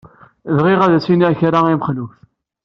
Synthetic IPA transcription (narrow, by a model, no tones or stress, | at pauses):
ðʁiʁæðæsiniæçɾaiməχluf